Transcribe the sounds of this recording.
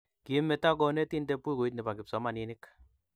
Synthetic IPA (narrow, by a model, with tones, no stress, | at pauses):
ki˨˦me˨ta˦k̬ɔ˨˧ne˦ti˦nde˦pu˦i˦ko˨i˦t̬nɪ˨ba˨kɪ˨psɔ˨˦ma˨ni˦nɪ˦k